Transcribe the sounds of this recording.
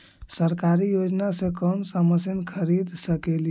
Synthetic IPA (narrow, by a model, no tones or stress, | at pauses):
səɾkaɾijod͡ʒnasẽkəmsəməsənkʰəɾid̪ʱsəkelj